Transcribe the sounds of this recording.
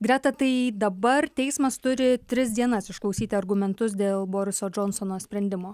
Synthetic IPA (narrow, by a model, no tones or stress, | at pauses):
ɡɾʲɛt̪ɐt̪ɐɪd̪ɐbɐrt̪ʲɛɪsmɐst̪ʊɾʲɪt̪ʲɾʲɪs̬d̪ʲiɛnɐsɪʃklˠɐʊsʲiːt̪ʲɪɐɾɡʊmʲɛnt̪ʊs̬d̪ʲeːlˠboːɾʲɪsoːd͡ʒonsonoːsʲpʲɾʲɛnʲd̪ʲɪmoː